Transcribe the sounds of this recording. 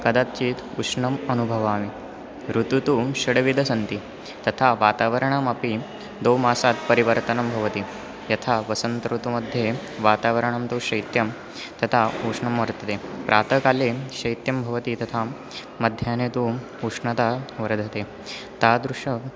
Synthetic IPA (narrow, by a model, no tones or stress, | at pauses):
kɐd̪at̪t͡ɕiːt̪uʂɳɐmɐnubʱɐʋaːmi | ɾut̪ut̪uɕɐɽʋid̪ʱɐsɐnt̪i | t̪ɐt̪ʰaʋaːt̪aːʋɐɾɐɳ̃ɐmapi | d̪omaːsat̪pɐɾiʋəɾt̪ɐnɐmbʱɐʋɐt̪i | jɐt̪ʰaʋɐsɐnt̪ɾut̪umɐd̪ʱje | ʋaːt̪aːʋɐɾəɳ̃ɐmt̪uːɕɐjt̪jɐm | t̪ɐt̪ʰauʂɳɐmʋɐɾt̪ɐt̪epɾʔaːt̪ʰəkaleɕɐjt̪jɐmbʱɐʋɐt̪it̪ɐt̪ʰa | mɐd̪ʱjaːnet̪u | uʂɳɐt̪aʋɐɾd̪ʱɐt̪e | t̪ad̪ɾuʂɐ